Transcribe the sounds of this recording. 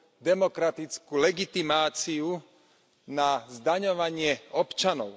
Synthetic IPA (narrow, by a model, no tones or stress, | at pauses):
d̪ɛmɔkɾat̪it͡skulɛɡit̪imaːt͡siu | nazd̪aɲɔʋaɲɪɛɔpt͡ʃanɔʊ